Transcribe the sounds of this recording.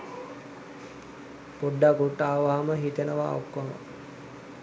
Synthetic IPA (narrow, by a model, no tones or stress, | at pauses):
poɖːaɡuʈːaːʋaməɦit̪ənəʋa̰ːukʋɐmə̰